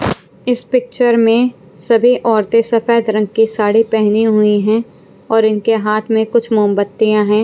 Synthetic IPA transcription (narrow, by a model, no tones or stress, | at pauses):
ɪspɪk̚t͡ʃəɾmẽ | sɐbʱiʔɔːɾt̪esɐfɛːd̪ɾɐ̃ŋɡ̚kisaːɽipɛɦniɦʊiɦɛ̃ː | ɔːɾɪnkeɦaːt̪ʰmẽkʊt͡ʃʰmʊːmbət̪ːijãɦɛ̃ː